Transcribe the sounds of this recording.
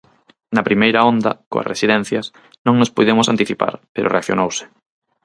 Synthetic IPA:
nɐpɾimejɾɐɔnd̪ɐ̰ko̰ɐ̰resiðɛn̟θjɐs | nõŋnʊspujðemʊsant̪iθipa̰ɾpeɾʔo̰reak̚θjo̰nowsɪ̥

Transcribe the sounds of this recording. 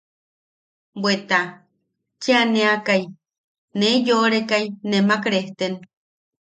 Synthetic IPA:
bwet̪a | t͡ʃeaneakaj | nejoɾekajnemakɾeht̪en

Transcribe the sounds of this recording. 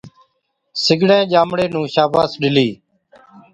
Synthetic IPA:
sɪɡɽẽːʄaːmɽeːnũːʃaːbaːsɗɪliː

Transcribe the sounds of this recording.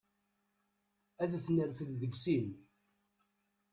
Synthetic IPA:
æðθnəɾθəððəɡsin

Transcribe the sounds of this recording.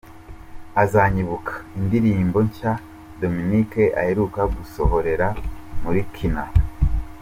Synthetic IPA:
azaɲiβukḁindiɾiːmbo̞ɲca | do̞minike̞ʔa̰he̞ɾukaɡuso̞ɦo̞ɾe̞ɾamuɾikʰina

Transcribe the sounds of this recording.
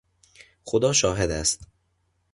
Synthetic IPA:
xod̪ɒːʃɒːɦed̪æst̪

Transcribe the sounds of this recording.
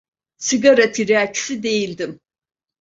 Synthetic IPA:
siɡaɾat̪ʰiɾeacsid̪e̞jilʲd̪im

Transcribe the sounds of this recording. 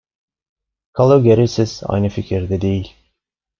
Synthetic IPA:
kʰalˠoɡʲeɾisiz̥a̰jnɯfikʲʰiɾd̪ɛd̪ejilʲ

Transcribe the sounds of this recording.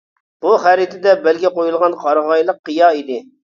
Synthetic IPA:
b̥uχæɾɪt̪ʰɪd̪ɛbɛlɡʲɛqojulˠʁɑnqʰɑɾʁɑjlˠəqːəjɑid̪ɪ

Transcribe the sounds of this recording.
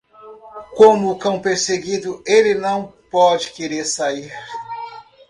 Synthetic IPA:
kõmʊːkɐ̃w̃peɾseɡid̪ʊelɪnɐ̃w̃pɔd͡ʒɪkeɾeɾsaiɾ

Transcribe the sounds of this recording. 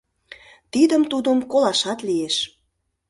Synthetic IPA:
t̪id̪əmt̪ud̪ə̆mkolɑʃɑt̪lijeʃ

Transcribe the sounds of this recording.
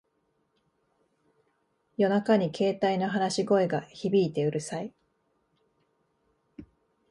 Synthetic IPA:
jo̞nakaɲ̟ikʰe̞ːt̪aino̞ɦanaɕiɡo̞e̞ɡaçibʲiːt̪e̞ɯ̟ɾɯ̟sai

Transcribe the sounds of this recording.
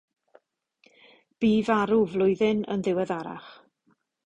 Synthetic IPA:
b̥iːvaɾʊvlˠʊɨðɪnə̰nðɪwɛðaɾa̰χ

